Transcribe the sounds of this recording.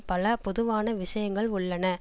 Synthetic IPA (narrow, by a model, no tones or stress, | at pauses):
pɐlɐpɔðɯʋaːnɐʋɪʂɐjɐŋɡɐɭʊɭːɐnɐ